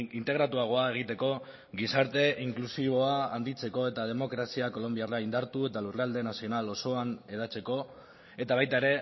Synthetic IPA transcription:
int̪e̞ɣ̞ɾat̪uaɣ̞o̞ae̞ɣ̞it̪e̞ko̞ | ɣisaɾt̪e̞ʔiŋklusiβo̞aːnd̪it͡se̞ko̞e̞t̪að̞e̞mo̞kɾasiako̞lo̞mbiaraind̪aɾt̪ue̞t̪alureald̪e̞nasio̞nalo̞so̞ane̞ðat͡se̞ko̞ | e̞t̪aβajt̪aeɾe̞

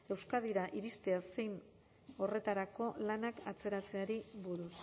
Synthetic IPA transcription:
e̞wskað̞iɾaʔiɾist̪e̞ase̞jn | o̞re̞t̪aɾako̞lanakat͡se̞ɾat͡se̞aɾiβuɾus

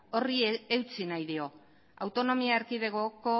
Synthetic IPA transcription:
oriewt͡sinajðio̞ | awt̪o̞no̞miaːɾkiβe̞ɣoko̞

